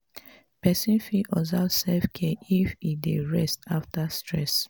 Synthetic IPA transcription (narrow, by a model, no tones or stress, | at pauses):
pɛsĩnfiʔɔzasɛfkʰɛifideɹɛstaftastʰɹɛ̰s